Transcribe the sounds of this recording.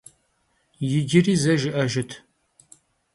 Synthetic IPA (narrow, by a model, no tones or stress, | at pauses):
jɪɡɪriːzɐʒɪʔɐʒɪtʰ